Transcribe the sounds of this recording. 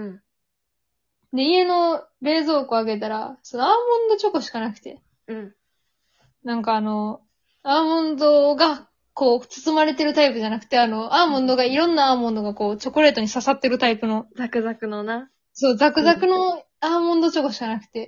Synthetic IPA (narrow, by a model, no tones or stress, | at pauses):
ɯ̃ɴ | d̪e̞ie̞no̞ɾe̞ːzo̞ːkoaɡe̞t̪̬aɾaso̞no̞aːmõ̞nd̪o̞t͡ɕo̞ko̞ɕi̥kanakɯ̟̥t̪e̞ | ɯ̟̃ɴ | nãŋkaːno̞ | aːmõ̞nd̪o̞ɡa | ko̞ːt͡sɨ̥t͡sɨmaɾe̞t̪e̞ɾɯ̟t̪aipɯ̟ʑanakɯ̟̥t̪e̞ano̞ʔaːmõ̞nd̪o̞ɡaiɾõ̞nːaaːmõ̞nd̪o̞ɡako̞ːt͡ɕo̞koɾe̞ːt̪o̞ɲ̟isasat̪ːe̞ɾɯ̟t̪aipɯ̟no̞zakɯ̟zakɯ̟nona | so̞ːzakɯ̟zakɯ̟no | aːmõnd̪o̞t͡ɕo̞koɕi̥kanakɯ̟̥t̪e̞